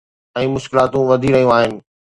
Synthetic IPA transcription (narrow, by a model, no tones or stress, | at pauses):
ɛ̃ːmʊʃkɪlaːt̪ũʋɐd̪ʱiɾɐɦijũaːɦɪnɪ̆